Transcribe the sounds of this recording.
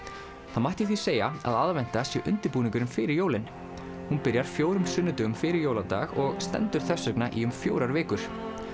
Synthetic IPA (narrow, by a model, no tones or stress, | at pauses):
θaðmajht̪ɪθi̥seːjaa̰ðaðvɛn̥t̪asjɛwʔʏ̰nt̪ɪɾpuːniŋkʏɾʏmfɪɾɪɾjoːwlɪn | hunpɪɾjaɾ̥fjoːwɾʏmsʏnːʏt̪ʏɣʏmfɪɾɪɾjoːwlat̪a̰ɣɔɣst̪ɛ̰nt̪ʏɾ̥θɛsːœknaʔiʏmfjo̰ːwɾaɾvɪːkʏɾ̥